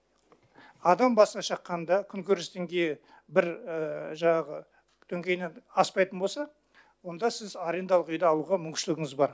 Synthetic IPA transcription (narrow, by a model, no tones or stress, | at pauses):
ɑd̪ɑmbɑsənɑʃɑqːɑnd̪ɑkʲʰʏŋkʲʰɵɾɪst̪ʰeŋɡʲej | bɪɾəʒɑɴɑʁə | t̪ʰɵŋɡʲe̞jnenɑspɑjt̪ənbo̞lˠsɑ | wo̞nd̪ɑsɪzɑɾe̞nd̪ɑlˠəqʏjd̪ɑːlˠuʁɑmʏŋkʲʃɪlɪɡʲɪŋɪzbɑɾ